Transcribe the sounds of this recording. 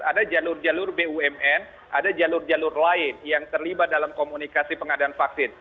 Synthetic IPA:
adad͡ʒalʊrd͡ʒalʊrbeuɛmɛn | ʔadad͡ʒalʊrd͡ʒalʊrlaɪnjaŋt̪ərlibat̪̚dalamkomunikasipəŋadaːnfaksɪn

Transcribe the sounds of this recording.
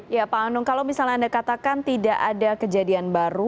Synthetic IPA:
japaanʊŋkalawmisalnɲaandakat̪akant̪idaʔadakəd͡ʒadianbaɾu

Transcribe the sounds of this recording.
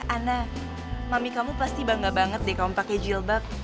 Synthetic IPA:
ʔana | mamikamupast̪ibaŋɡabaŋət̪̚dɛkamupakɛd͡ʒilbap̚

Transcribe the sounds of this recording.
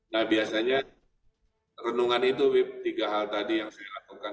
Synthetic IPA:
nahbiasaɲa | rənuŋanit̪ubit̪iɡaɦalt̪adijaŋsajalakuka

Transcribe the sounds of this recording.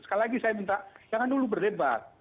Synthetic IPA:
sə̥kalilaɡisajamint̪aʔd͡ʒaŋandulubərdebat̪̚

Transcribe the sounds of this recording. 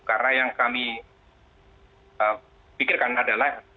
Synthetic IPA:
karnajaŋkami | ə | pikɪrkarnaːdala

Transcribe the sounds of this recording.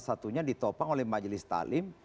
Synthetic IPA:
sat̪uɲadit̪opaŋolɛhmad͡ʒlɪst̪a̰lɪm

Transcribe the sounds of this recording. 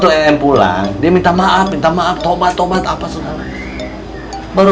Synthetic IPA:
t̪uɛɛmpula̰ŋdiamint̪amaʔap̚mint̪amaap̚t̪obat̪ːobat̪apasudaɾa | baɾu

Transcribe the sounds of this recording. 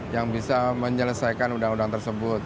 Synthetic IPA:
jaŋbisaməɲələsajkanudaŋudaŋt̪ərsəbʊt̪̚

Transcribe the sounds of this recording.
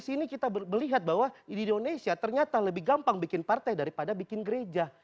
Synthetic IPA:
sinikit̪aməliɦat̪̚baɦwaindonesiat̪ərɲat̪aləbɪhɡampaŋbikɪnpart̪ajdaɾipadabikɪnɡəɾed͡ʒa

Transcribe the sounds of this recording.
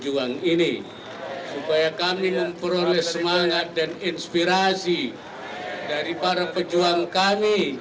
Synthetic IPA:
d͡ʒuaŋini | supajakamiməmpəɾolɛsəmaŋat̪̚daninspiɾasi | daɾipaɾapəd͡ʒuaŋkami

